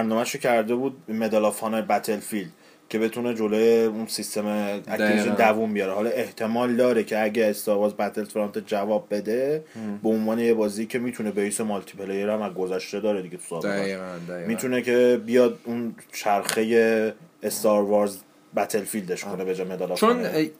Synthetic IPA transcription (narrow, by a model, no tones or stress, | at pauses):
bæɾnɒːmæʃocʰæɾd̪ebuːd̪̚me̞d̪ɑlɒfɒːnebæt̪ʰe̞lfild̪̥ | cʰe̞be̞t̪ʰune̞d͡ʒo̞lojeunsist̪e̞meæ̰kːened̪ævumbijɒːɾehɒːlɒe̞ht̪ʰe̞mɒːld̪ɒːɾecʰe̞æɟæːst̪ɑːɾvɒːɾzbæt̪ʰelt̪ʰeɾɑnt̪ed͡ʒævɒːb̚ːe̞d̪e̞beonvɒːne̞je̞bɒːziiːcʰe̞miːt̪ʰune̞beisemɔlt̪ʰi̥pʰelejeɾæmæɡozæʃt̪e̞d̪ɒːɾed̪iɟet̪ʰu̥sɒemiːt̪ʰune̞cʰe̞bijɒːd̪unt͡ʃʰæɾxe̞je̞ːst̪ɒɾvɒɾz | bæt̪ʰe̞lfild̪eʃkʰo̞nebed͡ʒamed̪ɑlɑt͡ʃon